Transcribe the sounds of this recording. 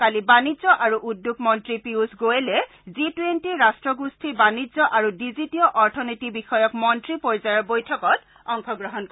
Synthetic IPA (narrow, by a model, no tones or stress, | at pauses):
kalibanizɔʔaɹuʔudːuk̚mɔntɹipiuzɡoelɛ | zitwentiɹastɹɔɡustʰibanizɔʔaɹudizitiɔʔɔɹtʰɔnitibixɔjɔkmɔntɹipɔɹzajɔɹbojtʰɔkɔt | ɔŋkɔɡɹɔɦɔnk